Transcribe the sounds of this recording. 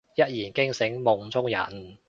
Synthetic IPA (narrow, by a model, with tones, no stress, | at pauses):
jɐ˦˥t̚jiː˨˩nkɪ˥ŋsɪ˨˥ŋmʊ˨ŋt͡sʊ˥ŋjɐ̰˨˩n